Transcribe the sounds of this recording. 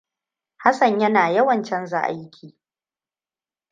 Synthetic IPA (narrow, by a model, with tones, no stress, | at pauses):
ha˦sɐ˨ɲjɐ˦naː˨jɐ˦wɐ˨nt͡ʃɛ˦nza̰˦˨ʔa̰˦jkʲʰiː˨